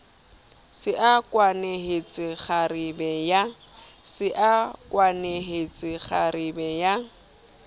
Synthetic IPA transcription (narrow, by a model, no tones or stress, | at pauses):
sɪʔakʼwaneɦet͡sʼɪk͡xaribɛja | sɪʔakʼwaneɦet͡sʼɪχaribɛja